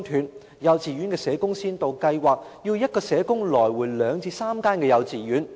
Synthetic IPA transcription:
ŋt̪ʰyː˨˧n | jɐ˨˧wt͡siː˨ɥy˨˥nkɛː˧sɛː˨˥kʊ˥ŋsiː˥nt̪o˨wkɐ˧jwaː˨k̚jiː˧wjɐ˥t̚kɔː˧sɛː˨˥kʊ˥ŋlɔː˨˩jwuː˨˩jlœː˨˧ŋt͡sʰiː˧saː˥mkaː˥nkɛː˧jɐ˨˧wt͡siː˨jyː˨˥n

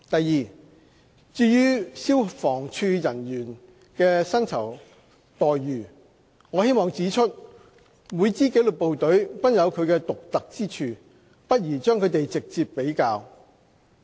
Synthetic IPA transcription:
t̪ɐ˨jːiː˨ | t͡syː˧jyː˥si˥wfɔː˨˩ŋt͡ʃʰyː˧jɐ˨˩njyː˨˩n | kɛː˧sɐ˥nt͡sʰɐ˨˩w | t̪ɔː˨jːyː˨˩ | ŋɔː˨˧he˥jmɔː˨˩ŋt͡siː˨˥t͡ʃʰɵ˥t̚ | muː˨˧jt͡siː˥ke˨˥jlɵ˨t̚po˨wt̪ɵ˨˥ɥpɐ˥n̚jɐ˨˧wkʰɵ˨˧ɥkɛː˧t̪ʊ˨k̚t̪ɐ˨k̚t͡siː˥t͡ʃʰyː˨˧ | pɐ˥t̚jiː˨˩t͡ʃœː˥ŋkʰɵ˨˧t̪e˨jt͡sɪ˨k̚t͡siː˧pːe˨˥jkaː˧w

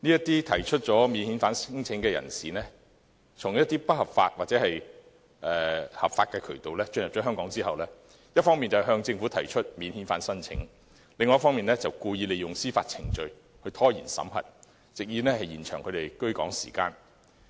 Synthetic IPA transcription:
niː˥jɐ˥t̪iː˥t̪ʰɐ˨˩jt͡ʃʰɵ˥t̚t͡ʃɔː˨˥miː˨˧nhiː˨˥nfaː˨˥nsŋt͡sʰɪ˨˥ŋkɛː˧jɐ̰˨˩nsiː˨nɛː˥ | t͡sʰʊ˨˩ŋjɐ˥t̪ːiː˥pɐ˥t̚hɐ˨pfa̰ː˧t̚waː˨˩t͡sɛː˨˥hɐ˨j | ʔɛː˨˩hɐ̰˨p̚faː˧t̚kɛː˧kʰɵ˨˩ɥt̪o˨wlɛː˥t͡ʃɵ˧njɐ˨p̚t͡ʃɔː˨˥ɦœː˥ŋkɔː˨˥ŋt͡siː˥hɐ˨wlɛː˥ | jɐ˥t̚fɔː˥ŋmiː˨nt͡sɐ˨hɦœː˧ŋt͡sɪ˧ŋfu˨˥t̪ʰɐ˨˩jt͡ʃʰɵ˥t̚miː˨˧nhiː˨˥nfa̰ː˨˥nsɐ˥nt͡sʰɪ̰˨˥ŋ | leɪ˨ŋɔː˧jɐ˥fɔː˥ŋmiː˨nɛ˥t͡sɐ˨wkuː˧jiː˧le˨jʊ˨ŋsiː˥fa̰ː˧t̚t͡sʰɪ˨˩ŋt͡ʃɵ˨˧ɥ | hɵ˧ɥt̪ʰɔː˥jiː˨˩nsɐ̰˨˥mɦɐ̰˨˩t̚ | t͡sɪ˨k̚jiː˨˥nɛː˥hɐ˨jjiː˨˩nt͡ʃʰœː˨˩ŋkʰɵ˨˧t̪e˨˩jkɵ˥ɥkɔ̰ː˨˥ŋsḭː˨˩ka̰ː˧n

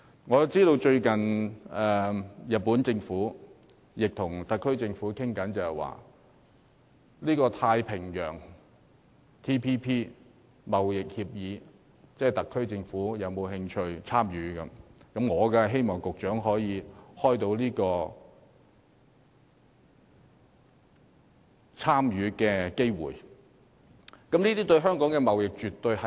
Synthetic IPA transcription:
ŋɔː˨˧t͡siː˥t̪o˧wt͡ʃɵ˧ɥkɐ˨nɛː˨jɐ˨t̚pːuː˨˥nt͡sɪ˧ŋfuː˨˥ | jɪ˨k̚t̪ʰʊ˨˩ŋt̪ɐ˨kʰːɵ˥ɥt͡sɪ˧ŋfuː˨˥kʰɪ˥ŋkɐ˨˥nt͡sɐ˨whɛ˨˩jwa̰ː˨˩ | liː˥kɔː˧t̪ʰaː˧jpʰɪ˨˩ŋjœː˨˩ŋ | t̪ʰiː˥pʰiː˥pʰiː˥ | mɐ˨wjɪ˨k̚hiː˧p̚jiː˨˧ | t͡sɛː˥˩t̪ɐ˨kʰːɵ˥ɥt͡sɪ˧ŋfuː˨˥jɐ˨˧wmo˨˧wɦɪ˧ŋt͡ʃʰɵ˧ɥt͡sʰaː˥mjyː˨˥kɐ˧mkɐ˨˥mŋɔː˨˧kɐ˧ɦe˥jmɔː˨˩ŋkʊ˨k̚t͡ʃœː˨˥ŋɦɔː˨˥jiː˨˧hɔː˥jt̪o˧wliː˥kɔː˧ | t͡sʰaː˥mjyː˨˥kɛː˧ke˥jwṵː˨˩j | kɐ˨˥mniː˥t̪iː˥t̪ɵ˧ɥɦœː˥ŋkɔː˨˥ŋkɛ˧mɐ˨wjɪ˨k̚t͡ʃyː˨t̪ːɵ˧ɥhɐ˨

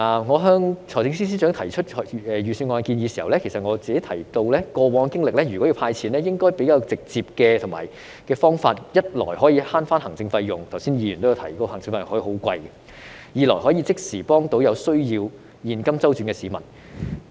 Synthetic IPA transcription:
ŋɔː˨˧ɦœː˧ŋt͡sʰɔː˨˩t͡sɪ˨˥ŋs̬iː˥s̬iː˥t͡ʃœː˨˥ŋt̪ʰɐ˨˩jt͡ʃʰɵ˥t̚hɛ˨˧jyː˨˩siː˧nŋɔː˨˧˨ki˧njiː˨˧siː˨hɐ̰˨˩wlɛ˥kʰe˨˩jsɐ˨t̚ŋɔː˨˧t͡siː˨ke˨˥jt̪ʰɐ˨˩jt̪o˧wlɛː˥kɔː˧wɔː˨˥ŋkɪ˥ŋlɪ˨k̚lɛː˥jy˨˩kɔ˨˥i˧wpʰaː˧jt͡sʰiː˨˩nlɛː˥jɪ˥ŋkɔː˥jpe˨˥jkaː˧wt͡sɪ˨k̚t͡siː˧p̚kɛː˧t̪ʰʊ˨˩ŋma̰ː˨j | kɛː˧fɔː˥ŋfaː˧t̚jɐ˥t̚lɔ̰ː˨˩jɦɔː˨˥jiː˧haː˥nfaː˥nhɐ˨˩ŋt͡sɪ˧ŋfɐ˧jjʊ˨ŋt̪ʰɐ˨˩wsiː˥njiː˧jy˨nt̪o˥jwt̪ʰɐ˨˩jkɔː˧hɐ˨˩ŋt͡sɪ˧ŋfɐ˧jhɔː˨˥˧ho˨˥wkʷɐ˧jɛ˧ | jiː˨˧lɔ̰ː˨˩jɦɔ˨˥jiː˧t͡sɪ˥k̚siː˨˩pɔː˥ŋt̪o˧˥wjɐ˨˧wsɵ˥ɥjiː˧w | jiː˧nkɐ˥mt͡sɐ˥wt͡ʃyː˨˥nkɛ˧siː˨˧mɐ˨˩n

